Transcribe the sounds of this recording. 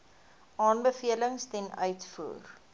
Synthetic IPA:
ʔɑːnbəfiələŋstɛnœ̰ɥtfṵːr

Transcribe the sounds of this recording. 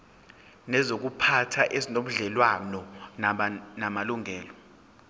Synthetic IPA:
nɛzok̬upʰatʰaʔezinom̩ɮɛlwanɔnnamaluŋʱɛːlɔ

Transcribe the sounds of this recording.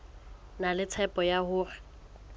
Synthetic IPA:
nalɪt͡sʰɛpʼɔjahʊːrɛ

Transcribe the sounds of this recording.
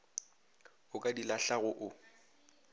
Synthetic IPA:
ʊkʼadilaɬaɣʊʔʊ

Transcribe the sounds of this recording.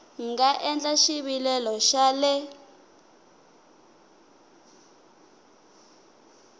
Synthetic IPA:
ŋɡaʔɛnd͡ɮʼaʃiβilɛlɔʃalɛ

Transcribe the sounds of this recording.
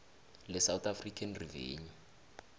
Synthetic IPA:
lɪsawt̪ʼafrikʰʼanrivḛːɲɔ

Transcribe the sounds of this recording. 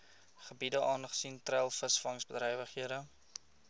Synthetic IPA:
χəbidəʔɑːnχə̥sintrælˠfəsfɐŋsbədɾɛjvəχɦiəɾə

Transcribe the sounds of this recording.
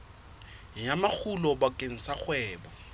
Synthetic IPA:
ɪjamak͡xʰulɔbakʼeŋ̩sak͡xwɛːbɔ

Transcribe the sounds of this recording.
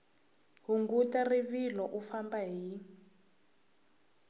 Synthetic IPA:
ɦuŋɡutariβilɔʔufambaɦi

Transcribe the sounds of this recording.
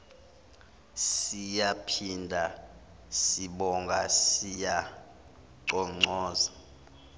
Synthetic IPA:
sijapʰindʱa | siɓɔŋɡʱasija | ǃɔŋ͡ǀɔːza

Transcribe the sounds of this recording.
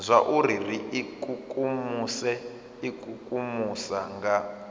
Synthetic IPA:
zʷaʔuririikʼukʼumusɛ | ikʰʼukʼumusaŋɡa

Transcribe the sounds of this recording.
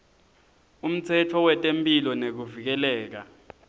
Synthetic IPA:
um̩t͡sʰɛtʰɔwɛtʼempʼilɔnek̬uvik̬ɛlɛːk̬a

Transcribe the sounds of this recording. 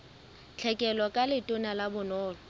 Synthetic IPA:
t͡ɬʰɛkʼɛlwakʼalɪtʼʊnalabʊnɔːlɔ

